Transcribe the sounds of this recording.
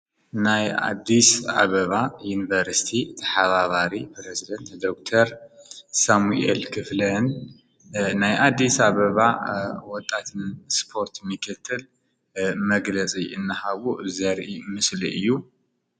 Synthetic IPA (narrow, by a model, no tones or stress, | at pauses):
naja̰d̪ːisa̰βɐβajunivɐɾsi̥t̪ʰit̪ʰɐ̥ħaβaβaɾipɾezid̪ɐnt̪d̪okt̪ʰɐɾsamuḛlkʰɨflɐn | najʔad̪ːisaβɐβawɔt̪ʼːat̪ʰɨnspʰo̞ɾt̪mɨkʰɨt̪ʰːɨl | mɐɡlɐt͡sʼiɨnːɨhaβuzɐɾʔimɨsliɨjːu